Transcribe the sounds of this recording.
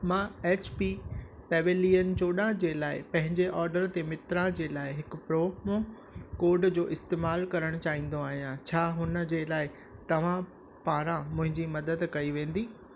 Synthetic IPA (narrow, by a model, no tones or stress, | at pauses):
mãːeːt͡ɕpipɛːʋeliːən̆t͡ɕoːɗãd͡ʑeːlaːɪpɐ̃ɦɪ̃ɲd͡ʑeʔɔːɾɖəɾt̪emɪt̪ɾãd͡ʑeːlaːɪɦɪkʊ̆pɾoːmõ | koːɾɖd͡ʑoːʔɪst̪eːmaːlkɐɾəɽ̃ʊt͡ɕaːɦĩːn̆d̪oaːɦijãt͡ɕʰaːɦʊnə̆d͡ʑeːlaːɪ | t̪ɐʋ̤ã | paːɾãmʊ̃ɦɪ̃ɲd͡ʑimɐd̪əd̪kɐiʋẽːn̆d̪iː